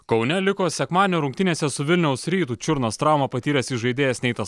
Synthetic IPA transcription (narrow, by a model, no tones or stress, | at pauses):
kɒʊnʲɛlʲɪkoːsʲɛkmɑːd̪ʲenʲoɾʊŋkt̪ʲɪnʲeːsʲɛsʊʋʲɪlʲnʲɛʊsɾʲiːt̪uːt͡ʃʲʊɾnɐst̪ɾɑˑʊmɐpɐt̪ʲiːɾʲɛsiʒɐɪd̪ʲeːjɛsnʲɛɪt̪ɐs